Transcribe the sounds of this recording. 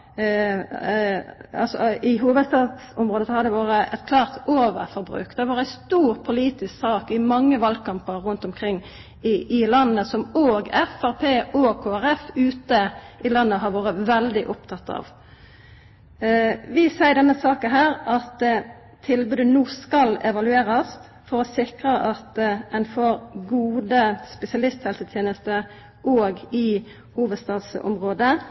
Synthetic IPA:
ɑ̰lsɔɪɦuːʋəd̪st̪ɑːt̪sʊmʁoːd̪əsɔhɑɾd̪ɛʋoːɾəʔɛtkʰlɑːʁt̪oːʋə̰ɾfɔɾbʁʉ̰ːkd̪ɛʋɑːɾæɪst̪uːɾpʰʊliːt̪ɪsksɑːkɪmɑŋːəʋɑlkʰɑmpəʁɾʉnt̪ɔmkʰʁɪŋː | ɪɪlɑnːəsɔmoːɡɛfæʁpʰeːʔoːkʰoːæɾɛfʉːt̪əʔɪlɑnːəɦɑɾʋoːɾəʋɛld̪ɪʔʊpt̪ʰɑt̪ʰːɑ̰ʋ | ʋɪsæɪd̪ɛnːəsɑːkənɦæːʁɑt̪ | t̪ʰːɪlbʉːd̪ənuːskɑlɛʋɑlʉeːʁɑs | fɔʁɔsɪkɾəʔɑt̪ɛnfɔɾɡuːd̪əspɛsɪɑlɪst̪hɛlsət̪ʰjeːnəst̪əɾ | ʔoːɡɪ | huːʋəd̪st̪ɑːd̪sɔ̰mʁoːd̪ə

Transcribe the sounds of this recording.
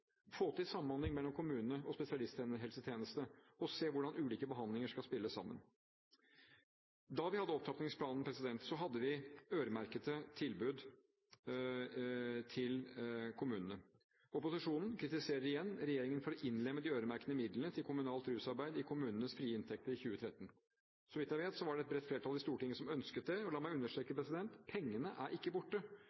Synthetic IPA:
foːt̪ɪlsɑmːən̩hɑnd̪ɪŋmɛlːɔmkʰʊmʉːnənəɔspɛsɪɑlɪst̪ʰənəɦɛlsət̪ʰjeːnəst̪əɔseːʋʊɖɑnʉːliːkəbəɦɑnd̪lɪŋəʂkɑlspɪlːəsːɑ̰mːə̰n | d̪ɑʋɪhɑd̪ːəɔpt̪ʰɑpnɪŋspʰlɑːnn̩pʰɾɛsɪd̪ɛnt̪sɔɦɑd̪ːəʋɪøːɾəmæɾkət̪ət̪ʰɪlbʉd̪ | t̪ʰɪlkʰʊmʉːnənə | ɔpʊsɪʂuːnn̩kʰɾɪt̪ɪseːɾəɾɪjɛnːɾɛjeːɾɪŋənfɔɾɔʔɪnːlɛmːəd̪ɪøːɾəmæɾkənəmɪd̪lənət̪ʰɪlkʰʊmʉnɑːlt̪ɾʉːsɑɾbæɪd̪ɪkʰʊmʉːnənəsfɾiːəɪnt̪ʰɛk̚t̪əɾɪçʉːət̪ʰɾɛt̪ːn̩ | sɔmʋɪt̪jæɪʋeːt̪sɔʋɑɖɛɛt̪bɾɛt̪fleːʈʰɑld̪ɪst̪uːɾəʈʰɪŋəəsɔmœnskət̪̚d̪ɛɔlɑːmæɪʉnːəʂʈɾɛːkəpɾɛsɪd̪ɛnt̪pʰɛŋːənəʔæɾʔɪkːəbʊʈːə

